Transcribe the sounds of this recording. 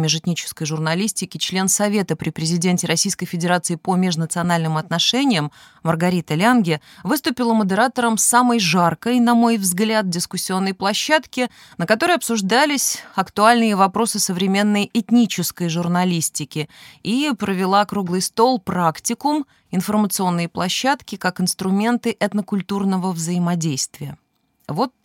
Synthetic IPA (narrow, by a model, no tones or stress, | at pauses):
mʲɪʐɨt̪ʲnʲit͡ɕɪ̥skəjʐʊrnɐlʲisʲtʲɪkʲɪt͡ɕlʲe̞nsɐvʲe̞t̪əpɾʲɪpɾʲɪzʲɪdʲentʲɪɾɐsʲijskəjfʲɪdʲɪɾat̪sɨɪpəmʲeʐnət̪sɨɐnalʲnɨmɐt̪nɐʂɛnʲɪjəmː | ərɡɐɾʲit̪əlʲanɡʲɪ | vɨst̪ʊpʲɪlˠəməd̪əɾat̪əɾəmsaməjʐarkəjnɐmo̞jvzɡlʲad̪̚dʲɪskʊsʲːɪo̞nːəjplˠɐɕːat̪kʲɪ | nəkɐt̪o̞ɾəjɐpsʊʐd̪alʲɪsʲɐkt̪ʊalʲnɨjəvɐpɾo̞sɨsəvɾʲɪmʲe̞nːəjɪt̪ʲnʲit͡ɕɪskəjʐʊrnɐlʲisʲtʲɪkʲɪipɾəvʲɪlˠakɾuɡlˠɨjst̪o̞lˠpɾaktʲɪkʊm | ɪnfərmət̪sɨo̞nːɨjəplˠɐɕːat̪kʲɪkakɪnst̪ɾʊmʲe̞nt̪ɨʔɛt̪nəkʊlʲt̪urnəvəvzəɪmɐdʲejst̪vʲɪjə | vo̞t̪̚